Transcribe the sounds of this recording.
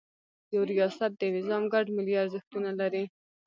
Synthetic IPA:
jawɾijɑsat̪̚d̪ənɪzɑmɡaɖmɪliaɾzɪxt̪unalaɾi

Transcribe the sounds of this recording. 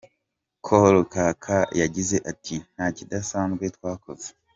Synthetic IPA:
kʰolokaːkʰajaɟize̞ʔatʰin̥haːcidasaːnzɡwe̞twaːkoze̥

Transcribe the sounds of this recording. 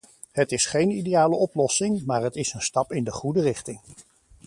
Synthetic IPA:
ɦətɪsχejnidejaːləɔplɔsɪŋmaːɹɦətɪsənstɑpɪndəχudərɪχtɪŋ

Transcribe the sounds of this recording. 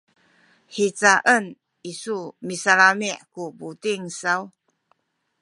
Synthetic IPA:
ħit͡saʔən | isumisalamiʔkubutiŋsaw

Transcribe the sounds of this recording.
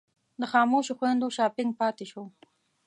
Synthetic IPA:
d̪əxɑːmoʃoxwand̪oʃɑːpɪŋɡ̚pɑt̪eʃo

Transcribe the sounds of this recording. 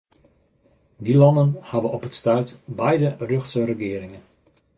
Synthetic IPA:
dilɔnənhabəɔpətstœɥtbɛjdərøxtsərəɡɪəɾɪŋən

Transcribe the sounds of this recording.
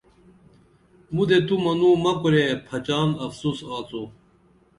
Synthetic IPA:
mud̪et̪umɐnuːmɐkuɾepʰɐt͡ʃaːnɐfsusaːt͡su

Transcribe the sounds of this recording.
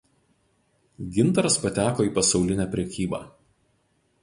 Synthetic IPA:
ɡʲɪnt̪ɐɾɐspɐt̪ʲæːkoːiːˑpɐsɒʊlʲɪnʲæːpʲɾʲɛkʲiːbɑ̰ː

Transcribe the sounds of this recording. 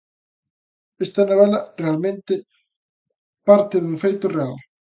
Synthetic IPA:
ɛst̪ɐnoβ̞ɛlɐrealmẽnt̪ɪ | paɾt̪ɪðuŋfejt̪ʊreal

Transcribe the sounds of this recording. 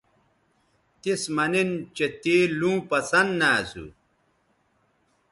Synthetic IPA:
t̪ismɐnint͡ɕet̪iːlũːpɐsɐnnaːsṵ

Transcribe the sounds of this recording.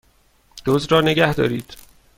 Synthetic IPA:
d̪̥ozɾɒːne̞ɡæhd̪ɒ̰ːɾiːd̪̥

